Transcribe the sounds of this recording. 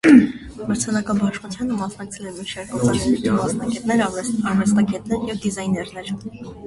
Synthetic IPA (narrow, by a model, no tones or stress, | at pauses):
məɾt͡sʰɛnɑkɑbɑʃχut͡sʰjɑnəmɑsnɑk̚t͡sʰɛlɛmiʃɛɾkɑt͡sɑɾɛit̪ʰimɑsnɑɡɛt̪nɛɾɑɾvɛst̪ɑɡɛt̪nɛɾjɛvd̪izɑjnɛɾnɛɾ